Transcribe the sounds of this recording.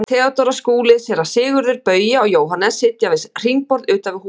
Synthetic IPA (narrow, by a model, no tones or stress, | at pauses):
t̪ʰɛːat̪ɔɾaskuːlɪsɛɾḁsɪːɣʏɾðʏɾpœːɥjaawjoːwɦanɛsɪt̪javɪsr̥iŋk̚pɔɾðʏːt̪avɪ̥huː